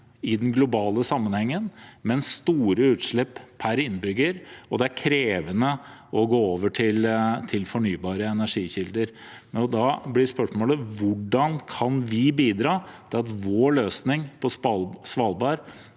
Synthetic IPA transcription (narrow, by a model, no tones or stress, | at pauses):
ɪd̪ɛnɡlʊbɑːləsɑmːənhɛŋːənmɛnsst̪uːɾəʉːt̪ʂɭɛpːpʰæɾɪnːbʏɡːəɾɔd̪ɛæɾkʰɾeːʋənəɔɡoːoːʋəʈʰɪlt̪ʰɪlfɔɳyːbɑːɾəɛnæʂiːçɪld̪əɾ | ɔd̪ɑblɪspœʂmoːləʋʊɖɑnkʰɑnʋɪbiːd̪ɾɑːd̪ʰɪlɑt̪ʋoːɭøːsnɪŋpʰɔsʋɑːlbɑːɾ